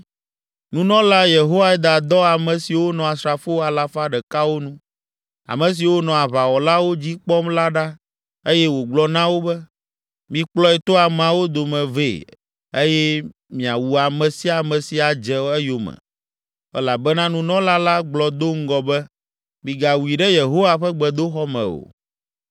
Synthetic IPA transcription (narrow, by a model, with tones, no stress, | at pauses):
nũ˦nɔ̃˦la˦je˨ɦo˦wa˦ɛ˦d̪a˨d̪ɔ˦a˨mɛ̃˨si˨wo˦nɔ̃˨a˨sɾa˨fo˦a˨la˨fa˦ɖɛ˨ka˦wo˦nũ˦ | a̰˨mɛ̃˨s̬i˨wo˦nɔ̃˨a˨βa˨wɔ˨la˦wo˦d͡ʑi˦k͡pɔ˦mla˦ɖa˦ | e˦jɛ˦wo˨ɡ͡blɔ˦nã˦wo˦bɛ˦ | mĩ˦k͡plɔ˦ɛ˨t̪ɔ˦a˨mã˨wo˦d̪o˨mɛ̃˨vḛ˦˨ | e˦jɛ˦ | mĩ˨a˨wu˨a˨mɛ̃˨si˦a˨mɛ̃˨si˨a˨d͡ʒɛ˦ɛ˦jo˨mɛ̰˨ | ɛ̰˦la˨bɛ˦nã˦nũ˦nɔ̃˦la˦la˦ɡ͡blɔ˨d̪o˦ŋ̩˦ɡɔ˨bɛ˦ | mĩ˨ɡa˨wu˨i˨ɖɛ˦je˨ɦo˦wa˦ɸɛ˦ɡ͡bɛ˨d̪o˦xɔ˦mɛ̰̃˨o̰˨